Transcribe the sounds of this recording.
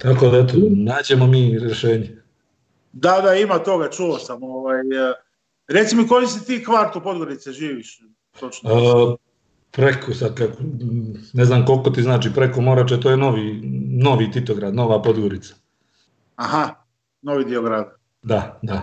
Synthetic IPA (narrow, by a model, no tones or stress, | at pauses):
t̪ako̞d̪aet̪onaːd͡ʑe̞mo̞miːɾeʃe̞ːɲe | d̪ad̪aimat̪o̞ɡat͡ʃuosamoʋaːj | ɾet̪simiko̞jisit̪iːkʋaɾt̪upo̞d̪ɡo̞ɾit̪seʒiːʋiʃ | t̪ot͡ʃno | pɾekʰosad̪̚ka | neznaːmko̞lko̞t̪iznaːt͡ʃiːpɾekomo̞ɾat͡ʃet̪ojeno̞ʋino̞ʋit̪it̪oɡɾad̪no̞ʋapo̞d̪ɡo̞ɾit̪sḁ | aha | noʋid̪ioɡɾad̪ | d̪ad̪a